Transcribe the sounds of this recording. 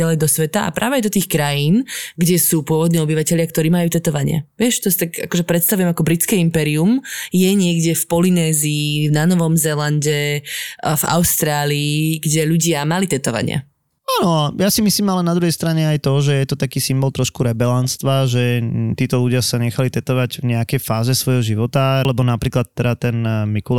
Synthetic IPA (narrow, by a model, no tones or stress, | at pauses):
alɛjd̪ɔsʋɛt̪aa̰pɾaːʋɛajd̪ɔt̪iːxkɾajiːnɡɟɛsuːpʊɔʋɔd̪niːɔbiʋacɛʎɪakt̪ɔɾiːmajuːt̪ɛt̪ɔʋaɲɪa̰ʋɪɛʃt̪ɔsit̪aɡa̰kɔʒɛpɾɛt̪st̪aʋujɛmakɔbɾit̪t͡skɛimpɛɾiumjɛɲɪɛɡɟɛfpɔlinɛːziːvnanɔʋɔmzɛlanɟɛ | va̰ʊst̪ɾaːliːɡɟɛʎuɟɪamalit̪ɛt̪ɔʋa̰ɲɪa̰ | anɔajasimisliːmalɛnad̪ɾuɦɛjst̪ɾaɲɛajt̪ɔʒɛjɛt̪ɔt̪akiːsimbɔlˠt̪ɾɔʃkuɾɛbɛlanst̪ʋaʒɛt̪iːt̪ɔluɟɪasaɲɛxalit̪ɛt̪ɔʋaɟvɲɛakɛjfaːzɛsʋɔjɦɔʒiʋɔt̪alɛbɔnapɾiːklat̪ːɛdat̪ɛnmikul